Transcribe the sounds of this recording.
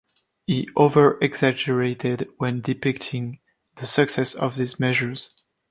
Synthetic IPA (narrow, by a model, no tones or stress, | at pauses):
hiʔovə˞ɛɡzæd͡ʒə˞eɪtɪdwɛ̃ndɪpɪk̚tʰɪ̃ŋ | ðəsɨksɛsʌ̰vðizmɛʒə˞z̥